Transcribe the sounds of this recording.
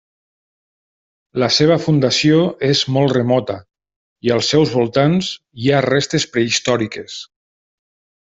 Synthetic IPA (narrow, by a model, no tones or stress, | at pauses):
ləseβ̞əfund̪asioezmɔlˠt̪remɔt̪ə | iəlˠsːɛwzβolˠt̪anz | iarest̪espɾeist̪ɔɾikes